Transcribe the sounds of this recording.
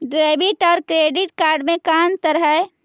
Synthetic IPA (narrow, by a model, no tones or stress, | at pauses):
ɖɾeːbɪʈɔːɾkɾeːɖɪʈkaːɾɖmẽkaːnt̪əɾɦəe